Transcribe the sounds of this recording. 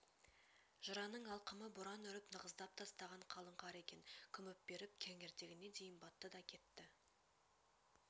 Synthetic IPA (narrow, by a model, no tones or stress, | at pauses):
ʒ̥əɾɑnəɴɑlˠqəməbʊɾɑnʏɾɪpnəʁəzd̪ɑp̚t̪ʰɑst̪ɑʁɑɴqʰɑlˠəɴqɑɾe̞kʲe̞ŋkʲʰʏmɪp̚be̞ɾɪp̚kʲʰæŋe̞ɾt̪eɡʲɪne̞d̪e̞jɪnbɑt̪ːəd̪ɑkʲʰe̞t̪ːɪ